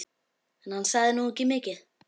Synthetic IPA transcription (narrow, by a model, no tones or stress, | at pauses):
ɛnhansaðɪnucɪmecɪð